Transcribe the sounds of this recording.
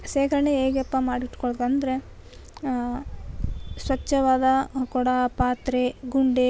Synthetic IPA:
seːkɐɾɐɳeeːɡepːɐmaːɽiʈkoɭd̪ɐnd̪ɐɾe | sʋɐt͡ʃːɐʋaːd̪ɐkɔɽɐpaːt̪ɾeɡuɳɖe

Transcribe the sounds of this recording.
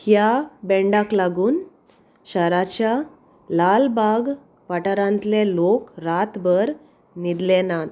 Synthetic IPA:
kjabɛ̃ɳɖaklaɡuːn | ɕəɾat͡ɕja | lalbaɡ | ʋaʈaɾãnt̪lelokɾat̪bəɾ | nid̪lɛnat̪

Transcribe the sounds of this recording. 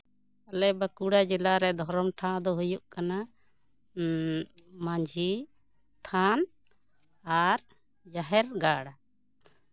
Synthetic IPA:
alɛbakuɽad͡ʒilaɾɛd̪ʱɔɾɔmʈʰãd̪ɔɦujuʔkana | mãɲd͡ʒʱi | t̪ʰan | aɾ | d͡ʒaɦɛɾɡaɽa

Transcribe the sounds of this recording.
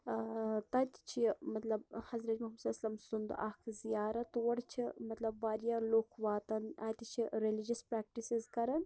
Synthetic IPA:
t̪ɐt̪ʲt͡ʃʰimɐt̪lɐbhɐzɾɐt̪ʲmɐɦmɐsɐlasɐlɐmsund̪ʔɐkʰzijaːɾɐt̪uʋɐɽt͡ʃʰimɐt̪lɐbːaːɾjaːloːkʰʋaːt̪ɐnaːt̪ʲit͡ʃʰiɾelid͡ʒɐspɾaːk̚ʈisizkɐɾɐn

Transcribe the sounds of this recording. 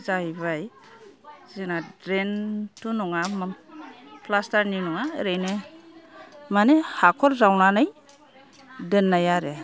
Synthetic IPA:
zaiβaj | zinadɾentunɔŋama | plastaɾninɔŋaɾene | manehakʰɔɾzawnanaj | denːajaɾe

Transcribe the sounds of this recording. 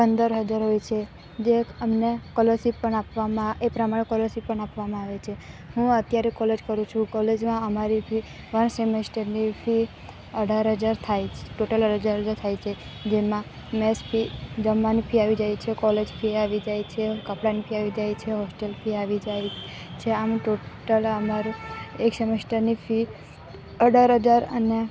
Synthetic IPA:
pənd̪əɾɦəd͡ʒaɾɦojt͡ʃʰe | d͡ʒeəmnekɔlosipəɳapʋamãepɾəmaɽ̃ekɔlosipəɳapʋamãaʋet͡ʃʰe | hũət̪jaɾekɔled͡ʒkəɾũt͡ʃʰũkɔled͡ʒmãəmaɾipʰi | ʋəɳsemesʈəɾnipʰi | əɖʱaɾɦəd͡ʒaɾt̪ʰajt͡ʃʰeʈoʈələɾəd͡ʒaɾɦəd͡ʒaɾt̪ʰajt͡ʃʰe | d͡ʒemã | mespʰid͡ʒəmːanipʰiaʋid͡ʒajt͡ʃʰekɔled͡ʒpʰiaʋid͡ʒajt͡ʃʰekəpɽanipʰiaʋid͡ʒajt͡ʃʰeɦɔsʈelpʰiaʋid͡ʒaj | t͡ʃʰeamʈoʈələmaɾueksemesʈəɾnifʰi | əɖʱaɾɦəd͡ʒaɾə̰ne

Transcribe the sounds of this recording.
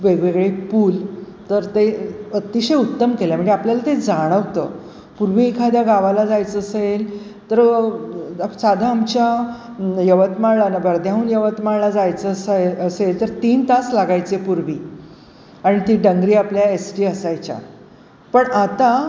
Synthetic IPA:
ʋeɡʋeɡɭepuːl | t̪əɾt̪eət̪iɕəjut̪ːəmkelam̤əɳd͡ʑeapljalat̪ed͡zaɽ̃əʋt̪ə | puɾʋikʰad̪jaɡaʋalad͡zajt͡səəsel | t̪əɾ | sad̪ʱaːmt͡ɕja | jəʋət̪malanabʱəɾd̪ʱjãuːnjəʋət̪malad͡zajt͡səsəselt̪əɾt̪iːnt̪aslaɡajt͡sepuɾʋiː | aɽ̃it̪iːɖəŋɡɾiːapljaesʈiːəsajt͡ɕja̰ | pəɳat̪a

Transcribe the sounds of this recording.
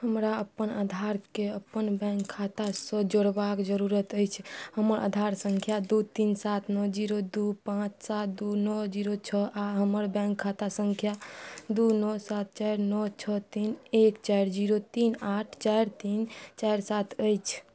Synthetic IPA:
həmɾaəpːənad̪ʱaɾkeəpːənbɛ̃ŋkʰːat̪asə̃d͡ʒoɽbakd͡ʒəɾuɾət̪əjt͡ʃʰhəməɾʔa̰d̪ʱaɾsəŋkʰjad̪ut̪insat̪ʰnɔd͡ʒiɾod̪upãt͡ʃʰsat̪̚d̪unɔd͡ʒiɾot͡ʃʰəʔaɦəməɾbɛ̃ŋkʰːat̪asəŋkʰjad̪unɔsat̪̚t͡ʃajɾnɔt͡ʃʰət̪inekt͡ʃajɾd͡ʒiɾot̪inaʈʰt͡ʃajɾt̪int͡ʃajɾsat̪ʰəjt͡ʃʰ

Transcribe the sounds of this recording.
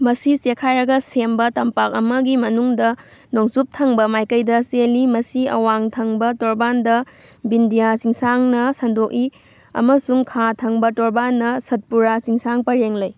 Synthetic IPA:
mɐsisekʰajɾɐɡɐsembɐtɐmpak̚ɐmɐɡimɐnuŋdɐ | noŋsup̚tʰɐŋbɐmajkɐjdɐselimɐsiɐ̰waŋtʰɐŋbɐtoɾbandɐ | bindijasiŋsaŋnɐsɐndok̚i | ɐ̰mɐsuŋkʰatʰɐŋbɐtoɾbanːɐsɐt̚puɾasiŋsaŋpɐɾeŋlɐj

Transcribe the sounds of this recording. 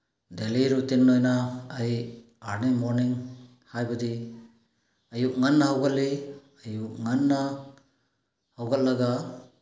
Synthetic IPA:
deliɾutinːojnaːj | aɾnimoɾniŋ | hajbɐdi | ɐjuk̚ŋanːɐɦɐwɡalːi | ɐjuk̚ŋanːa | hawɡalːaɡa

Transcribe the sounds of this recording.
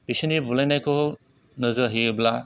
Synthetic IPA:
b̥isinibulajnajkʰo | nɯzɯɦiɯbla

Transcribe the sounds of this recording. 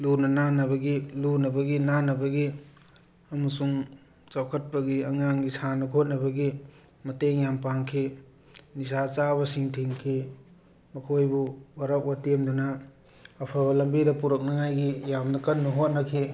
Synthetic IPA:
lunɐnanɐbɐɡilunɐbɐɡinanɐbɐɡi | ɐmɐsuŋ | t͡ʃawkʰɐt̚pɐɡiɐŋaŋɡisanɐkʰot̚nɐbɐɡi | mɐteŋjampaŋkʰi | nisat͡ʃabɐsiŋtʰiŋkʰi | mɐkʰojbuwɐɾɐp̚watemdunɐː | pʰabɐlɐmbidɐpuɾɐk̚nɐŋajɡijamnɐkɐnːuɦot̚nɐkʰi

